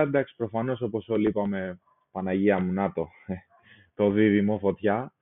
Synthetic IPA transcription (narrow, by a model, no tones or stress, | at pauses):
ɐd̪ɐksi̥pɾo̞fɐnoso̞po̞so̞liipɐme̞ | pɐnɐʝiɐmunɐt̪o̞ | t̪o̞ðiðimofo̞t̪çɐ